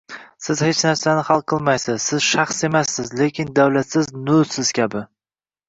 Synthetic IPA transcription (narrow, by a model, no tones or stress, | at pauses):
sɪzhet͡ʃnaɾsanɪχɑlˠqʰːɨlˠmajsɪzsɪz̥ʃɑχse̞masːɪzlekʲʰɪnd̪awlat̪sɪznʊsɪz̥kʲʰabɪ